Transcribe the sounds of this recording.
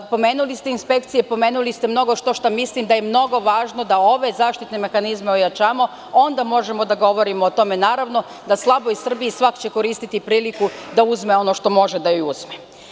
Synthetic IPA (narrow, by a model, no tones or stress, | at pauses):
po̞me̞ːnulist̪e̞inspe̞k̚t̪sijepo̞me̞ːnulist̪emno̞ɡo̞ʃt̪o̞ʃt̪amislimd̪ajemno̞ɡo̞ʋaːʒnod̪ao̞ʋe̞zaːʃt̪it̪ne̞me̞xanizmeojat͡ɕaːmo̞ | o̞nd̪amo̞ʒemo̞d̪aɡo̞ʋo̞ɾimoːt̪o̞me̞naːɾaʋno̞ | d̪aslˠabo̞ir̩bijisʋakt͡ɕe̞ko̞ɾiːst̪it̪ipɾiːlikud̪auzme̞o̞no̞ʃt̪o̞mo̞ʒed̪ajoiuz̥me